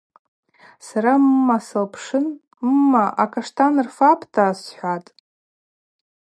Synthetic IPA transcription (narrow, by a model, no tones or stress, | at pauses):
saɾamːasɨlpʰʂɨnː | aʔakʰʼaʂtʰanɨrfapʰtʰaːsħʷatʼ